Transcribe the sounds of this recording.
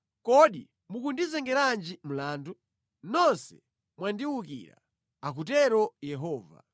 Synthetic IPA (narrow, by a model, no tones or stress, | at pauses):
kɔɗḭ | mukundizɛŋɡɛɾand͡ʒim̩laːndu | nɔnsɛ | mwandiwukḭːɾa̰ | akutɛɾɔjɛɦɔːva̰